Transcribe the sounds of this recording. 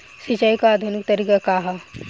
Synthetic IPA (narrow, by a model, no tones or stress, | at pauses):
sit͡ʃaikaːd̪ʱunik̚t̪ɐɾikakaɦa